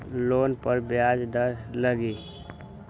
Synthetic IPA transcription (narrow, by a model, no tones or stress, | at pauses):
lonpəɾbjad͡ʒd̪əɾləɡi